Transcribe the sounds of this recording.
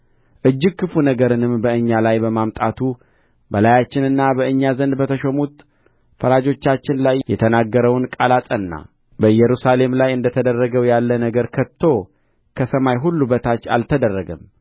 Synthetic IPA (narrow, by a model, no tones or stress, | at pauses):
ʔɨd͡ʒːɪɡ̚kʰːɨfunəɡəɾɨnɨmbəʔɨɲːalajbəmamt̪ʼat̪ʰu | bəlajat͡ʃːɪnɨnːabəɨɲːazənd̪bət̪ʰəʃomut̪ | fəɾad͡ʒo̞t͡ʃːat͡ʃːɪnlajjɛt̪ʰənaɡːəɾəwnkʼalat̪ʼənːa̰ | bəjɛɾusale̞mlajɨnd̪ət̪ʰəd̪ərːəɡəwjalːənəɡəɾkʰətt̪ʰːo̞ | kʰəsəmajɦulːubət̪ʰat͡ʃːa̰lt̪ʰəd̪ərːəɡəm